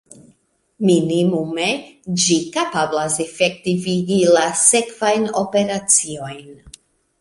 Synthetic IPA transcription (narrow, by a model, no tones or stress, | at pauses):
minimume̞d͡ʒikapablase̞fe̞k̚tiviɡilase̞kvajno̞pe̞ɾat͡sio̞jn